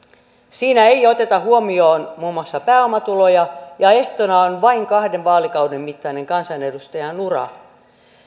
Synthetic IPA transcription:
siːnæejo̞t̪e̞t̪ɑhuomio̞ːnmuːmɑsːɑpæːomːɑt̪ulo̞jɑjɑe̞ht̪onɑonʋɑiŋkɑhdeʋʋɑːlikɑwdemːit̪ːɑine̞ŋkɑnsɑne̞dust̪ɑjɑnurɑ̰

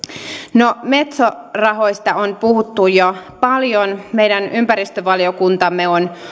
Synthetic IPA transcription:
nome̞t̪so | rɑɦo̞jst̪ɑonpuɦut̪ːujopɑljonme̞jdænympæɾist̪øʋɑljo̞kunt̪ɑmːeon

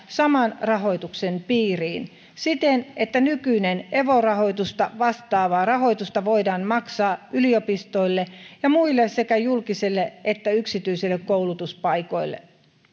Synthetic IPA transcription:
sɑmɑnrɑɦo̞jt̪uksenpiːriːn | sit̪enet̪ːænykyineneʋorɑho̞it̪ust̪ɑʋɑst̪ɑːʋɑːrɑɦo̞it̪ust̪ɑʋoidɑːnmɑksɑːyliopist̪o̞ilːejɑmuilːessekæjulkisilːeʔet̪ːæyksit̪yisilːekkoulut̪uspɑiko̞̰ilːḛ

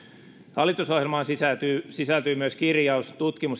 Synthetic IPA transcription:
hɑlːˑit̪uso̞hjelmɑːnsisæt̪yːsisælt̪yːmyøskirjɑust̪ut̪kimus

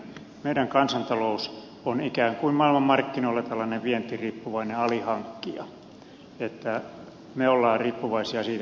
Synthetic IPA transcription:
meiɾæŋkɑnsɑnt̪ɑlous | onikæːŋkuimmɑilmɑmmɑrkːinoilːet̪ɑlːɑneʋʋient̪ːiriːpːuʋɑineɑlihɑŋkːiɑ̰ | et̪ːæ | meolːɑːriːpːuʋɑisiɑsiːt̪

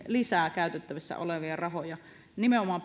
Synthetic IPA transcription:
lisæːˑkæˑyt̪et̪ːæʋisːæ̰o̰leʋiɑrɑɦojɑ | nimeʔomɑːm

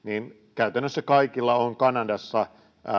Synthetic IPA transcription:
niːn | kæyt̪ænːøsːækɑikilːɑoŋkɑnɑdɑsːɑ

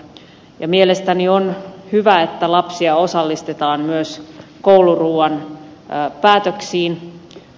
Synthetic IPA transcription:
jɑmielest̪ænionhyʋæet̪ːælɑpsiɑo̞sɑlːist̪et̪ɑːmmyøskouluruːɑn | pæːt̪øksiːn

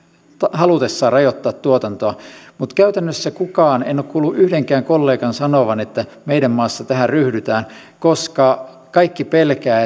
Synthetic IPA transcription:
t̪ɑhɑlut̪esːɑːrɑjot̪ːɑːt̪t̪uot̪ɑnt̪oɑmut̪kæyt̪ænːøsːækukɑːnḛnːˑoːkkuːlːuʔyhdeŋkæːŋkolːeːkɑnsɑnoʋɑnet̪ːæmeidæmmɑːsːɑt̪æhæryhdyt̪æːn | koskɑ | kɑikːipelkæː

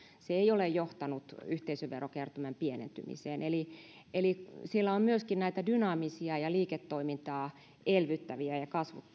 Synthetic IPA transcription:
seeiolejjoht̪ɑnut̪yht̪eisøʋʋerːokert̪ymæmpienḛnt̪y̰mḭseːnʔeli | elisilːæommyøskinnæit̪ædynɑːmisiɑjɑliːket̪ːoimint̪ɑː | elʋyt̪ːæʋiæjɑkɑsʋut̪ː

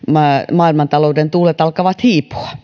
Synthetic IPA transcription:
mɑmɑːilmɑnt̪ɑloudent̪uːlet̪ɑlkɑʋɑt̪hiːpu̥ɑ̥

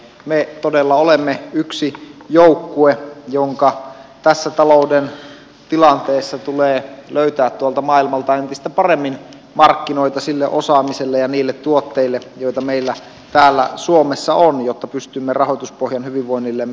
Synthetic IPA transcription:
met̪odelːɑolemːeyksijoukːuejoŋkɑt̪æsːæt̪ɑlouden | t̪ilɑnt̪eːsːɑt̪uleːløyt̪æːt̪t̪ːuolt̪ɑmɑilmɑlt̪ɑent̪ist̪æpɑremːin | mɑrkːinoit̪ɑsilːḛʔosɑːmiselːejɑniːlːet̪t̪uot̪ːeilːejoit̪ɑmeilːæ | t̪æːlːæ̰suomesːɑonjot̪ːɑpyst̪ymːerɑhot̪uspohjɑnhyʋiʋʋoinːilːem

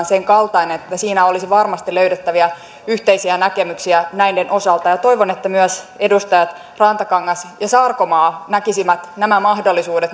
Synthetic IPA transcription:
nseŋkɑlt̪ɑinenet̪ːæsiːnæolisiʋɑrmɑst̪iløydet̪ːæʋiæ | yht̪eisiænækemyksiænæindenʔo̞sɑlt̪ɑjɑt̪oiʋonet̪ːæmyœsedust̪ɑjɑt̪ | rɑnt̪ɑkɑŋːɑsjɑsɑːrkomɑːnækisimæt̪næmæmɑhdolːisuːdet̪

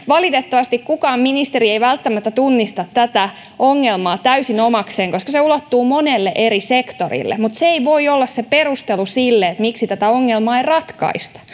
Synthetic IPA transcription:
ʋɑlit̪et̪ːɑʋɑst̪ikkukɑːmminist̪eɾieiʋælt̪ːæmæt̪ːæt̪unːist̪ɑt̪ːæt̪æ | oŋːelmɑːt̪æysinomɑkseːŋkoskɑseulot̪ːuːmonelːeʔeɾisekt̪orḭlːḛmut̪seeiʋo̞iolːɑsseperust̪elusilːeet̪miksit̪æt̪æoŋːelmɑːeirɑt̪kɑ̰ist̪ɑ̥

